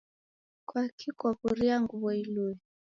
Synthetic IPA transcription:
kwakʰikwakuɾiaŋɡuβɔiluɛ

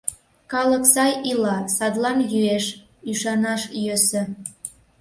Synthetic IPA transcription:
kɑləksɑjilɑsɑd̪lɑnjyeʃ | yʃɑnɑʃjøsə̆

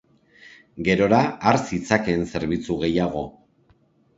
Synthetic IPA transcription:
ɡe̞ɾo̞ɾaːɾsit͡sake̞ːnse̞ɾβit͡suɣe̞jaɣ̞o̞

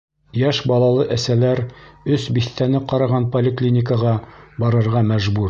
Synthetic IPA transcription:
jæʃbɑlˠɑlˠɤʔæsælæɾɵsbiθt̪ænɘqɑɾɑʁɑnpolʲɪklʲinʲɪkəʁɑbɑɾɤ̆ɾʁɑmæʒbuɾ

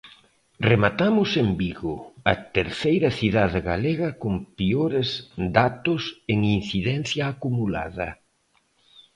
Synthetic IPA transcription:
remat̪amʊsembiɣʊɐt̪eɾθejɾɐθiðaðeɣaleɣɐkompioɾezd̪at̪ʊseŋin̟θiðɛn̟θjaːkumula̰ðɐ̰

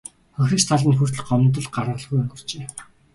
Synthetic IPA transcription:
xɔxʲrĭst̪ʰaɮĭnxur̥t̪̆ɮɢɔmnt̪̬ɞ̆ɮɢaɾə̆ɮɣujɔŋɡɪ̆r̥t͡ɕeː

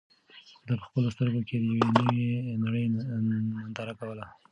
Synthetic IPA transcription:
d̪apə̥xpəlost̪əɾɡoked̪əjawenəwenaɽəj | and̪ɑɾakawəla

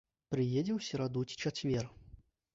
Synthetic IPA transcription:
pɾɨjed͡zʲɛwsʲɐɾad̪ut͡sʲi̥t͡ʂat͡sʲvʲɛr

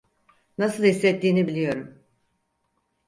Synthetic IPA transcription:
nasɯlˠhislːɛt̪ːiːnibilʲijo̞ɾum

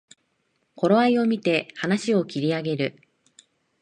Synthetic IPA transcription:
ko̞ɾo̞aio̞mʲit̪e̞hanaɕio̞kʲiɾʲiaɡe̞ɾɯ̟

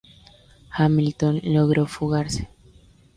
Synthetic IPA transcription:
xamilt̪onloɣɾofuɣaɾse̥

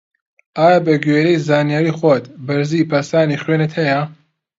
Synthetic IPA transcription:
aːjabɐɡeːɾejzaːnijaɾiχwɔt̪bɐɾzipʰɐsaːniχɥeːnət̪hɐja

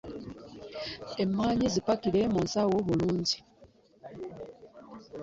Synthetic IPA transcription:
e̞mːaːɲizipakilemunsawoβuluːɲɟi

